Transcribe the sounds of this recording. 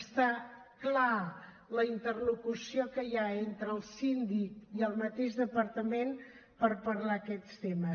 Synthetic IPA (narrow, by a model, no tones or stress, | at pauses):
st̪akla | ləint̪ərlukusiokəjaent̪ɾəlˠsind̪ikiəlˠmət̪eʒðəpəɾt̪əmen | pəɾpəɾlakɛt̪st̪emə